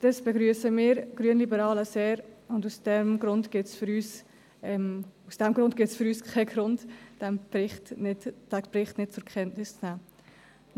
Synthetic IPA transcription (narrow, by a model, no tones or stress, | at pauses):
d̥ɑsb̥ɛɡɾyːəsəmiːɾɡ̥ɾyənlibəɾɑːləseːɾʊndusd̥ɛmɡɾʊndɡ̥ɪtsfʏɾyːs | ɛmusd̥ɛmɡ̥ɾʊnd̚ɡ̥ɪsfʏɾyːskʰaɪɡɾʊndd̥ɛmbɾɪχtnɪ̥bɾɪχtnɪt̚t͡sʊɾkχɛntnɪst͡snæː